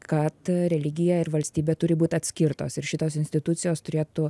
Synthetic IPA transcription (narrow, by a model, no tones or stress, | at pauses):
kɐt̪ɾʲɛlʲɪɡʲɪjɛɪɾʋɐlʲsʲt̪ʲiːbʲeːt̪ʊɾʲɪbuːt̪ʲɐt̪ʲsʲkʲɪɾt̪o̰ːsɪɾʃʲɪt̪oːsɪnsʲt̪ʲɪt̪ʊt̪sʲɪjoːst̪ʊɾʲeːt̪ʊ